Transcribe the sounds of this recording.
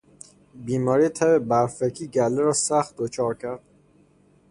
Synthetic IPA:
biːmɒːɾiːt̪ʰæbebæɾfecʰiːɟælːeɾɒːsæxt̪̚d̪ot͡ʃʰɒːɾcʰæɾd̪̥̚

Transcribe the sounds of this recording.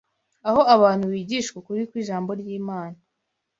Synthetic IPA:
aho̞aβaːn̥huβiːɟiːʃkwekuɾikwiːʒaːmbo̞ɾɟiːmaːna

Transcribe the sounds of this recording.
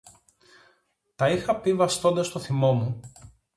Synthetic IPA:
t̪ɐixɐpivɐst̪o̞nd̪ɐst̪o̞θimo̞mu

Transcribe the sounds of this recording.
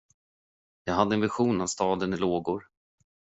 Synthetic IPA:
jɑːɡɦad̪ːəɛnvɪɧuːnavst̪ɑːd̪ənɪloːɡʊɾ

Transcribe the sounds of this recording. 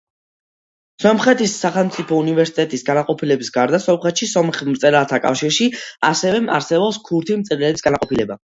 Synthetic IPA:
sɔmχɛt̪ʰisːaχɛlˠmt̪sʼipʰɔunivɛɾsi̥t̪ʼɛt̪ʼisɡanaqʼɔpʰilɛbisɡaɾd̪asɔmχɛt̪ʃisɔmχmt̪sʼɛɾalt̪ʰakʼa̰fʃiɾʃia̰sɛvɛa̰ɾsɛbɔpskʰuɾt̪ʰimt̪sʼɛɾlɛbisɡanaqʼɔpʰilɛba

